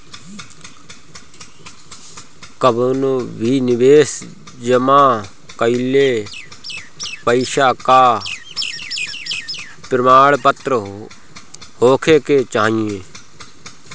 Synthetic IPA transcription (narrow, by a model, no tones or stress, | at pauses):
kəbonoːʋʱiːnɪʋeːs | d͡ʒəmãː | kəileː | pəiʃaːkaː | pɾəmaːɽpət̪ɾəɦo | hoːkʰeːkeːt͡ʃaːieː